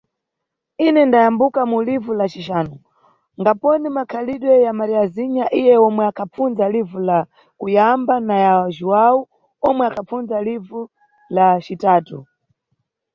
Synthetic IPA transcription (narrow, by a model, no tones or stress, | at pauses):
inɛndajambukamulivulat͡ʃiʃaːnɔ | ŋɡapɔnimakʰaliɗwɛjamaɾiaziɲaʔijɛɔmwɛakʰaunzalivula | kujambanajaʒuwau | ɔmwɛakʰafunzalivu | lat͡ʃitaːtu